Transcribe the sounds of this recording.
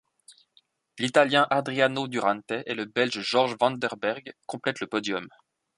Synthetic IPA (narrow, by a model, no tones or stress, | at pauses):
lit̪aljɛ̃ʔad̪ʁianod̪yʁãnt̪ɛʔeləbɛlʒʒɔʁʒvɑ̃nd̪ɛʁbɛʁɡkɔ̃plɛt̪ləpɔd̪jɔm